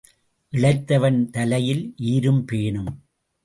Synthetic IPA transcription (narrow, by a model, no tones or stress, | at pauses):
ʔɪɭɐɪt̪ːɐʋɐnt̪ɐlɐjɪlʔiːɾɯmpeːɳɯm